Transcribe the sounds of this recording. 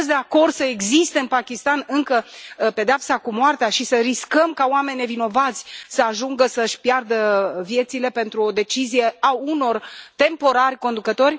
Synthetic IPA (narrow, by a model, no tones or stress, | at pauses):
sd̪e̞ako̞rd̪səe̞ɡzist̪eɨnpakʲist̪anɨŋkəpe̞d̪eapsakumoart̪eaʃisəɾiskəmkaoame̞niːe̞vino̞vat̪sʲsəaʒuŋɡəsəʃʲpjard̪əvje̞t̪sile̞pe̞nt̪ɾuo̞d̪e̞t͡ʃizije̞auno̞rt̪e̞mpo̞ɾarʲko̞nd̪ukət̪o̞rʲ